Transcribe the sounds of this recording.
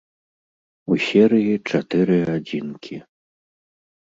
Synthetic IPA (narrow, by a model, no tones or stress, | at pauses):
usʲɛɾɨjit͡ʂat̪ɨɾɨad͡zʲinkʲʰi